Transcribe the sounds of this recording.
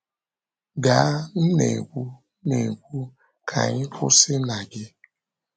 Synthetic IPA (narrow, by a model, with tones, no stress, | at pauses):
ɡa˨˦n̩˦nḛ˨kʷu˦ | ne˨kʷu˦ | kʰa̰˨ɲɪ˦kʷʊ˦sɪ˦na˨ɡɪ˦